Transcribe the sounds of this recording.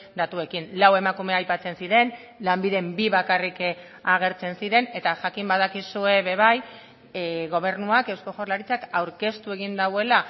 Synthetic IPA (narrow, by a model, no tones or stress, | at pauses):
d̪at̪ue̞kinlawe̞makume̞ajpat͡se̞nsiɾe̞n | lambiðe̞mbiβakarik | aɣ̞e̞ɾt͡se̞nsiɾe̞ne̞t̪aʝakimbað̞akisue̞βe̞βaj | ɣo̞β̞e̞ɾnuake̞wsko̞ʝo̞ɾlaɾit͡sakawɾke̞st̪ue̞ɣ̞ind̪awe̞la